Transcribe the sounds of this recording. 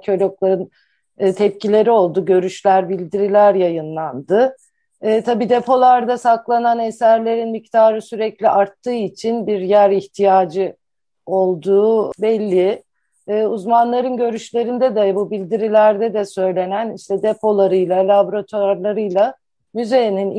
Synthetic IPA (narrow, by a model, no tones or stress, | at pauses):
cʰø̞lʲoklˠaɾɯnː | t̪ʰɛp̚cilʲe̞ɾio̞lˠd̪uɟø̞ɾyʃlʲæɾbilʲd̪iɾilʲæɾjajɯnlˠand̪ɯː | t̪ʰabiːd̪e̞pʰo̞lˠaɾd̪asaklˠananesæɾlʲe̞ɾinmict̪ʰaːɾɯsyɾɛclʲiʔaɾt̪ʰːɯːit͡ʃʰinbiɾjæɾiçt̪ʰijaːd͡ʒɯ | o̞lˠd̪uːbɛlʲːiː | uzmanlˠaɾɯnɟø̞ɾyʃlʲe̞ɾind̪ɛd̪ɛbubilʲd̪iɾilʲæɾd̪ɛd̪ɛsø̞jlʲe̞næniʃt̪ʰɛd̪epʰo̞lˠaɾɯjlˠalʲaboɾat̪ʰaɾlˠaɾɯjlˠa | myzenin